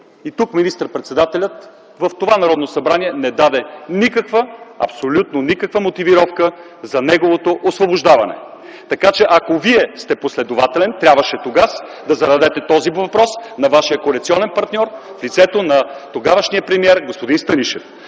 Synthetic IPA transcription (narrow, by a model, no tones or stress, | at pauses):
it̪ukminist̪əɾpɾɛt̪sɛd̪at̪ɛlʲət̪ | vəft̪ovanɐɾɔd̪nosɐbɾaniɛnɛd̪ad̪ɛnikəkvəɐ̰psolʲut̪nonikəkvəmot̪iviɾɔfkə | zɐnɛɡovot̪oʔosvoboʒd̪avɐnɛ̰ | t̪ɐkat͡ʃɛʔɐkoviɛst̪ɛposlɛd̪ovat̪ɛlɛnt̪ɾʲabvɐʃɛt̪oɡasd̪ɐzɐɾɐd̪ɛt̪ɛt̪ɔzivɐpɾɔsnɐvaʃiəkoɐlɛkt̪siɔnɛnpɐɾt̪nʲɔɾ | flit̪sɛt̪onɐt̪oɡavəʃniəpɾɛmiɛɾɡospod̪inst̪əniʃɛ̰f